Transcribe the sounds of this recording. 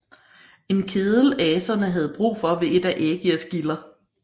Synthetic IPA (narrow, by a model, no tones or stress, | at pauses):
e̝nkʰeð̞ˠl̩ɛːsɐnəɦæð̞̩ˠb̥ʁṵːfɒ̽ʋe̝ʔe̝d̥æʔeːɡ̥iɐsɡ̥ilɐ